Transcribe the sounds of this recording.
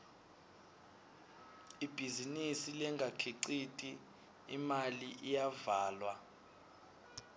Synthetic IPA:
ib̥ʱizinisilɛŋʱakʰiǀitʼi | imaliʔijavaːlwa

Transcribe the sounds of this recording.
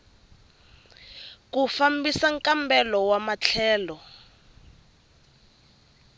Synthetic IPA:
kufambisaŋkʼambɛlɔwamat͡ɬʰɛːlɔ

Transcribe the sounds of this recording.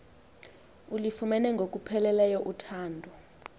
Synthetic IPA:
ulifumɛnɛŋɡʱok̬ʼupʰɛlɛlɛjɔʔutʰaːndʱɔ

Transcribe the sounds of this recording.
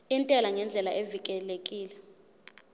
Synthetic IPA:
intʼɛlaŋɛnd͡ɮʱɛlaʔevikʼɛlekʼiːlɛ

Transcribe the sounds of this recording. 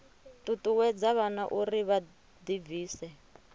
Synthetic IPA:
tutʼuwɛd͡zaβanaʔuriβa | d̪iviːsɛ

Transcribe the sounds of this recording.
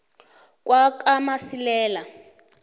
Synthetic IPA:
k̬ʼwakʼamasilɛːla

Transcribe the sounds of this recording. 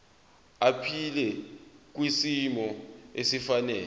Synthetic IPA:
apʰilɛk̬ʼwisimɔesifanɛː

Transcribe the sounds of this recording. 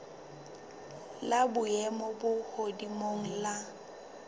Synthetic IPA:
labʊɛmɔbʊhodimoŋ̩la

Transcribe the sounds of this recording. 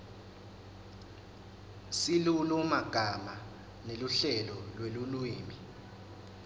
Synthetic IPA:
silulumaɡ̥ʱama | neluɬɛlɔlwelulwiːmi

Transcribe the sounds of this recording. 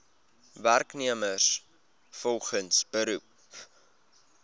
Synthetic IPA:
værkniəməs | fɔlˠχənsbəɾup

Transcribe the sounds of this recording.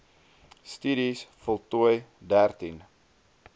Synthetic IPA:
styɾisfɔlˠtuəjdærtin

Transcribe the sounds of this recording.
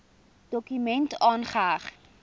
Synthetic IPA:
d̥ɔkymɛntɑːnχaːχ

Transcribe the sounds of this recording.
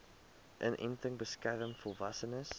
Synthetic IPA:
ʔənʔɛ̰ntəŋbəskærəmfɔlˠvɐsənəs

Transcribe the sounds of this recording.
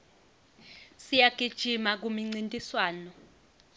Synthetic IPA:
sijaɡ̥ʱid̥ʒ̥ʱimak̬umiŋ͡ǀintʼiswaːnɔ

